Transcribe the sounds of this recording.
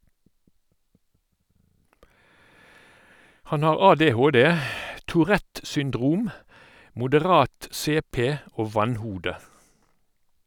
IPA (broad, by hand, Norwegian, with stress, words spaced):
ˈhɑn ˈɑːʁ ˌɑːˌdeːˈhoːˌdeː tuːˈʁɛt sʏnˈdʁuːm mʊdəˈʁɑːt ˈseːˌpeː ˈoː ˈʋɑnˌhuːdə